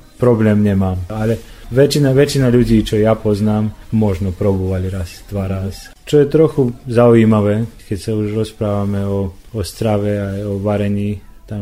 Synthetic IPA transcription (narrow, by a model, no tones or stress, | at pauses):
pɾɔblɛːmɲɛmaːmalɛʋɛt͡ʃinaʋɛt͡ʃinaʎuɟiːt͡ʃɔjapɔznaːmmɔʒnɔpɾɔbuːʋaʎɾast̪ʋaɾas | t͡ʃɔjɛt̪ɾɔxuzauiːmaʋɛːkɛcsauʒɾɔspɾaːʋamɛɔ | ɔst̪ɾaʋɛajɔʋaɾɛɲiː | t̪am